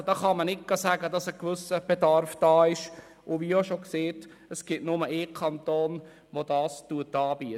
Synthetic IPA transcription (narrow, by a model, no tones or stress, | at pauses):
d̥ɑːχɑmənɪt̚ɡ̥ɑsæɡədɑsəkʋʏsəb̥ɛdɑɾfd̥ɑːɪʃ | ʔʊʋioʃokseːt | əsɡ̥ɪtnʊməʔɪːkʰɑntoːn | ʋod̥ɑːstuətɑːbi